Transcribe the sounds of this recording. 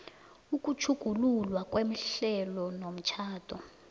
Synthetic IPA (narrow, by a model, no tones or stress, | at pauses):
uk̬ʼut͡ʃʰuɡ̥ʱululwakʼwem̩ɬɛlɔnom̩t͡ʃʰaːtʰʼɔ